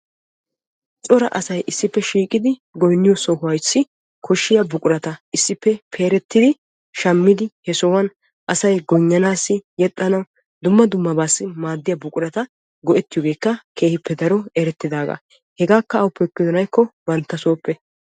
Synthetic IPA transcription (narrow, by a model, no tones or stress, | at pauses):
t͡sʼɔɾɐʔɐsɐjʔɪsːɪpːɛʃiːkʼɪd̪ɪɡɔjnːɪjɔsɔhʊwɐjsːɪ | kʰɔʃːɪjɐbʊkʼʊɾɐt̪ɐʔɪsːɪpːɛpʰe̞ːɾɛt̪ːɪd̪ɪ | ʃɐmːɪd̪ɪhɛsɔwɐn | ʔɐsɐjɡɔɲːɐnaːsːɪjɛt̪ʼːɐnɐw | d̪ʊmːɐd̪ʊmːɐbaːsːɪmaːd̪ːɪjɐbʊkʼʊɾɐt̪ɐ | ɡɔʔɛt̪ːɪjɔɡe̞ːkːɐke̞ːhɪpːɛd̪ɐɾɔɛɾɛt̪ːɪd̪aːɡa̰ | hɛɡaːkːɐɐwʊpɛkːɪd̪ɔnɐjkːɔbɐnt̪ːɐsoːpːɛ